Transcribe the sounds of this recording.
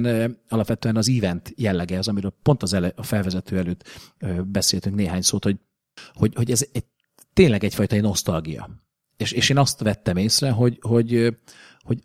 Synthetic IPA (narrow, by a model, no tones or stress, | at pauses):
nɒlɒpʋɛt̪øːɛnɒziːvɛnt̪jɛlːɛɡɛzɒmiɾøːlpo̞nt̪ɒzɛlʔɒfɛlvɛzɛt̪øːɛløːt̪øbɛseːlt̪yŋkneːɦaːɲsoːt̪ho̞ɟ̚ | ho̞ɟhoɟɛzɛɟ | t̪ːeːnlɛɡɛcfɒjt̪ɒino̞st̪ɒlɡijɒ̰ | eːʃeːʃeːnɒst̪ʋɛt̪ːɛmeːsrɛɦo̞ɟho̞ɟ | ho̞ɟ